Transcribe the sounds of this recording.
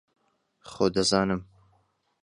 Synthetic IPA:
χoːd̪ɐzaːnɨm

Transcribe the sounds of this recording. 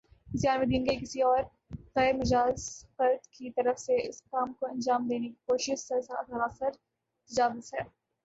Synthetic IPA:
zijaːnmẽd̪ĩːŋɡeikɪsiɔːɾ | ɣɛːɾmɐd͡ʒaːzfɐɾd̪kit̪ɐɾəfseɪskaːmkoɐ̃nd͡ʒaːmd̪eːnekikoːʃɪʃsɐsaːt̪ɐɾaːsɪɾ | t̪ɐd͡ʒaːʋɪzɦɛː

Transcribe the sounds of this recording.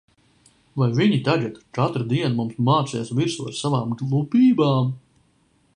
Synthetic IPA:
vajviɲit̪aɡɛt̪t͡ʃat̪ɾd̪iɛnmumsmaːt̪siɛsvʲiɾsussavaːmɡlˠupiːbaːm

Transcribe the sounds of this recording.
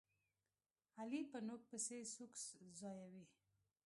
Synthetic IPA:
alipənok̚pəsesukszɑjawi

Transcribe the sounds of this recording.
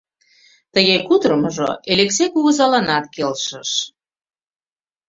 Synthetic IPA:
t̪əɣekud̪ɾəməʒo̰eleksekuɣəzɑlɑnɑt̪̚kelʃəʃ

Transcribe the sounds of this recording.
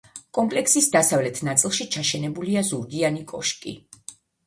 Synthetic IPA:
kʼɔmpʼlɛkʰsisd̪asavlɛt̪ʰnat̪sʼilˠʃit͡ʃʰaʃɛnɛbuliazuɾd̪ianikʼɔ̰ʃkʼḭ

